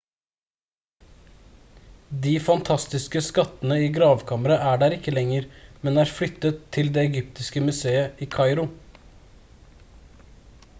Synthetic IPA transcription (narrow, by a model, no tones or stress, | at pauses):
d̪iːfɑnt̪ʰɑst̪ɪskəskɑt̪ənəiːɡɾɑːʋkʰɑːməɾɑʔæːɖæːɾɪkːəlɛŋəɾmɛnæːɾflʏt̪ːət̪ʰːɪld̪eːɛɡʏpt̪ɪskəmʉseːəʔiːkʰɑɪɾʊ